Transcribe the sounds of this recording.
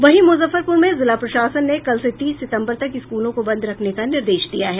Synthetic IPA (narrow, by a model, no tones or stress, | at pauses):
ʋɐɦimʊzəfəɾpʊɾmẽzɪlapɾɐʃaːsənːekɐlset̪iːsːɪt̪ə̃mbəɾt̪ɐkɪskuːlõkobɐ̃nd̪ɾɐkʰnekanɪɾd̪eːʃd̪ijaɦɛː